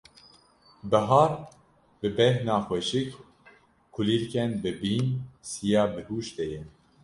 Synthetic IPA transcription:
bɛɦɑːɾ | bɨbɛhnɑːxwɛʃik | kʰuliːɾkɛnbɨbiːnsijɑːbɨɦuːʃd̪ɛjɛ

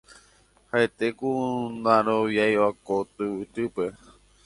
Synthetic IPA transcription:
haet̪ekunãɾoʋjajwakot̪ɨɨt̪ɨpe̞

